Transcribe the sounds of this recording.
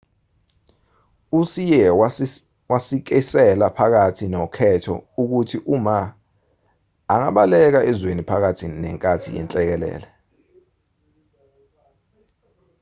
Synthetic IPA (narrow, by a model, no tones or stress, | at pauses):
usijɛ | wasik̬ɛsɛlapʰak̬atʰinɔkʰɛtʰɔ̰uk̬utʰiʔuma | aŋaɓalɛk̬aʔɛzwenipʰak̬atʰinnɛ̰ŋkʼatʰḭjɛ̰nt͡ɬʼɛk̬ɛlɛ̰ːlɛ